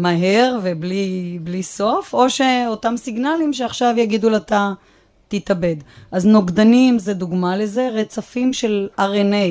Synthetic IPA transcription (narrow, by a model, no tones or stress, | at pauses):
maɦeʁveblibliso̞fo̞ʃe̞otamsiɡnalimʃeaχʃavjaɡid̪ulat̪a | t̪it̪abe̞d̪ʔaznoɡd̪animzed̪uɡmale̞ze̞ʁet͡safimʃe̞laʁene